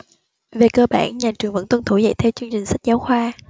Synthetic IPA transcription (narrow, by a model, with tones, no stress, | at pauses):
ve˨˩kəː˧ɓa̰ː˧˩nɲaː˨˩t͡ɕɨ˨˩əŋvə̰˧˥nt̪wə˧nt̪ʰu˧˩zə̰˧˨jt̪ʰɛ˧wt͡ɕɨ˧əŋt͡ɕï˨˩ŋ̟sa˦˥k̟̚zaː˨˦wxwaː˧